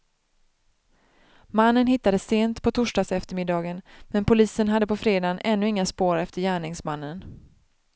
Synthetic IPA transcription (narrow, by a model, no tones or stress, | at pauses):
manːənɦɪt̪ːad̪əseːnt̪pʰɔt̪ʰuʂɖɑːsɛft̪əɾmɪd̪ɑːɡənmɛnpʊliːsənɦad̪ːəpɔfɾeːd̪anʔɛnːɵɪŋːaspoːɾɛft̪əɾjæːɳɪŋsmanːən